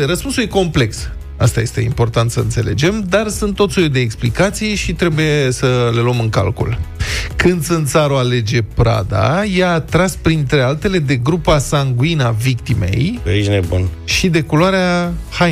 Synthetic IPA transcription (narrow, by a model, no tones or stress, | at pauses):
rəspunsujeko̞mple̞ks | a̰st̪aje̞st̪e̞̰impo̞rt̪ant̪səɨnt̪se̞le̞̰d͡ʒe̞md̪arsɨnt̪ːo̞t̪sojud̪e̞ːksplikat̪sijʃit̪ɾe̞buje̞səle̞luəmɨŋka̰lkṵlkɨnd̪sɨnt̪saɾoale̞d͡ʒe̞pɾa̰d̪a̰jaːt̪ɾaspɾint̪ɾe̞alt̪e̞le̞d̪e̞ɡɾupasaŋɡuinavikt̪ime̞̰jiʒnebṵnʃid̪e̞kuloaɾeaha